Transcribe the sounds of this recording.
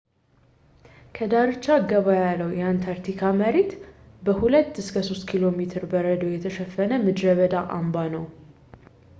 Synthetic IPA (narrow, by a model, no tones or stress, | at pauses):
kʰəd̪aɾɨt͡ʃːaɡəβajalːəwjɛant̪ʰaɾt̪ʰikʰaməɾet̪ | bəhulət̪ːɨskʰəso̞st̪kʰilo̞met̪ʰɨɾbəɾəd̪əwjɛt̪ʰəʃɛfːənəmɨd̪ɾəβəd̪aʔambanəw